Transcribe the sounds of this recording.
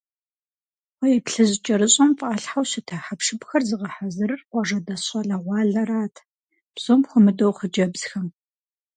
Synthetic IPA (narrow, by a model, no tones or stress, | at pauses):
wɔjɛpɬɨʑɪt͡ʃʼɐɾɨɕʼɐmfʼaːɬħawɕɪtʰɐħapʂɨbxɐrzɨʁɐħazɨrɨrqʷɔʐɐdɐɕʼɐɮɐʁʷɑːɮɐɾaːtʰ | b̥z̥omχʷʊmɨdowχəd͡ʒɐbz̥xɐm